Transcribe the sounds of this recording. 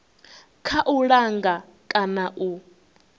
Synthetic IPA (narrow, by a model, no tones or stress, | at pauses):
kʰaʔuɺaŋɡa | kʼanaʔu